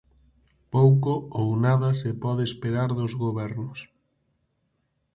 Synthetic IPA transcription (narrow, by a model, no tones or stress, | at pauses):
powkoownaðɐsepɔðeespeɾaɾðozɣoβɛɾnʊs